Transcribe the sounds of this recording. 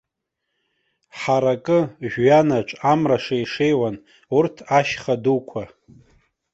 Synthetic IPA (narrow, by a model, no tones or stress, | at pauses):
ħaɾakʼɨʒᶣɥanat͡ʃʷʼamraʂaiʂejwan | urtʰaʃχadukʷʰa